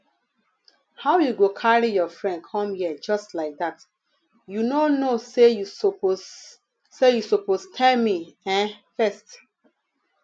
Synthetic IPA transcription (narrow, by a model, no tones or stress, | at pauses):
hawjuɡokʰaɹijɔfɹɛ̃ndkʰɔ̃mhid͡ʒɔstlaɪk̚dat | junonosejuopo | sejusopostʰɛlmiɛ̃fɛst